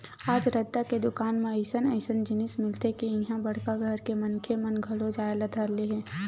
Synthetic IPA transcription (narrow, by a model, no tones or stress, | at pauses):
aːd͡ʒɾɐd̪ːaked̪ʊkaːnmẽəɪsənəɪsənd͡ʒɪnɪsmɪlt̪ekiɪ̃ɦãbɐɽ̤kaɡʱəɾkemɐnkʰemənɡʱɐlod͡ʒaːeləd̪ʱəɾleɦɛ̃ː